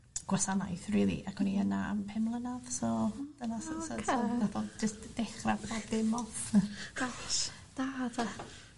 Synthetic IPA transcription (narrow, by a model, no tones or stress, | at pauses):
ɡ̥wasana̰jθriːlˠḭʔakʰwɛniənaa̰mpʰɛmlˠənaðsɔd̥ənasəsɔsɔnaθɔd͡ʒəstd̥ɛχrapɔddɪmɔθa | d̥atʰa